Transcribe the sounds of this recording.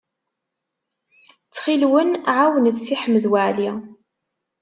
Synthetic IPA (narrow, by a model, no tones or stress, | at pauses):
t͡sːχilwənʕawənðsiħəmːəðwaʕli